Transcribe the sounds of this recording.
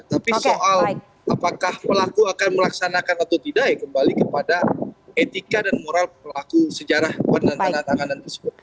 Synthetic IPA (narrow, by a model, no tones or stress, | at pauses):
ət̪apisoʔal | apakahpəlakuakanməlaksanakanat̪awt̪idaʔjakəmbalikəpadaet̪ikadanmoɾalpəlakusəd͡ʒaɾahwandant̪anant̪aŋanant̪ərsəbʊt̪̚